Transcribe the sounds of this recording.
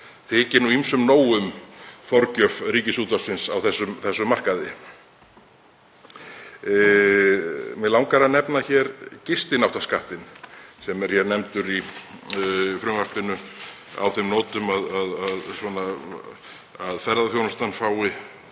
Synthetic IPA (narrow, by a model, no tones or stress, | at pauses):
θɪːcɪnuimsʏmnoːwʏmfɔɾcœfɾiːcɪsuːt̪ḁsɪnsawθɛsːʏmθɛsːʏmːar̥kaðɪ | mɛlaw̃ŋkaɾanɛpnaçɛɾcɪst̪ɪnawt̪askaht̪ɪnsɛmɛɾ̥çɛɾnɛmt̪ʏɾi | fɾʏvar̥pɪnʏ | a̰wθɪmnɔːt̪ʏmaðaðaðsvɔna | aðfɛɾðaθjownʏst̪anfaːwɪ